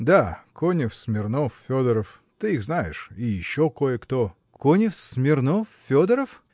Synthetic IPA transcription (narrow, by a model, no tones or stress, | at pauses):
d̪akʰonʲɪfsmʲɪrnoffʲod̪əɾəf | t̪ɨiɣznajɪʂijɪɕːokojəkt̪o | konʲɪfsmʲɪrnoffʲod̪əɾəf